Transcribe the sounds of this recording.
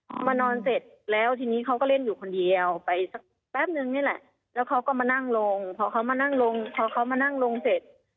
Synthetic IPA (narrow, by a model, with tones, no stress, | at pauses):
kʰɔː˧˥maː˧nɔː˧nse˨˩t̪̚lɛː˦˥˩wt̪ʰiː˧niː˦˥˩kʰa˦˥kɔː˥˩le˥˩njuː˨˩kʰo˧ndi˧əwpa˨jsa˧˦˩k̚ | bɛː˧˥˩p̚nɯ˧ŋnaː˧˥˩lɛ˧˩ʔ | lɛː˦˥wkʰa˦˥wkɔː˧˩maː˧na˥˩ŋlo˧ŋpʰɔː˧kʰa˦˥wmaː˧na˥˩ŋlo˧ŋpʰɔː˧kʰa˧˦˥wmaː˧na˥˩ŋlo˧ŋse˨˩t̪̚